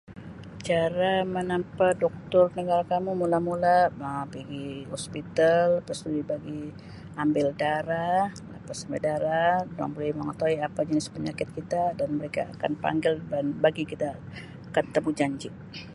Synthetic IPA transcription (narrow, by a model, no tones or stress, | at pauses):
t͡ʃaɾamənampadɔk̚t̪ɔrnəɡaɾakamumulamulaəpiɡihɔspit̪alpst̪udibaɡi | ambɪldaɾahla̰pasəmbɛdaɾada̰ŋbolɛmaŋət̪oiapad͡ʒənɪspəɲakɪt̪̚kit̪adanməɾeka̰a̰ka̰npa̰ŋɡɪlbanbaɡikit̪a | kət̪ːəmud͡ʒaɲd͡ʒɪʔ